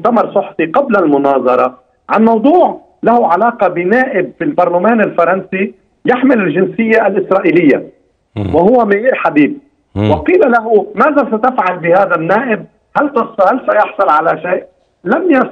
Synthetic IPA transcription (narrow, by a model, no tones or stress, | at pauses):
t̪amɑɾˤsˤʊħfiqablalmʊnɑːðˤɑɾˤɑ | ʕanmɑwd̪ˤuːʕ | lahuʕalɑːqɑbɪnaːʔɪb̚fɪlbɑɾˤlamaːnɪlfɑɾˤɑnsi | jɪħmɪlɪlʒɪnsɪjːaʔalʔɪsɾˤɑːʔiːlɪjːa | wɪhʊwːamaʕiːɾħabiːb̚ | wɪqiːlalaɦumaːðasat̪afʕalbɪhaːðanːaːʔɪb̚ | halt̪ɑshalsajɑħsˤʊlʕalaʃeːʔ | lamja